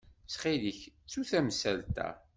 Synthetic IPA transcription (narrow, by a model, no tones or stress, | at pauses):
sχiliçt͡sːuθæmsælt̪æ̰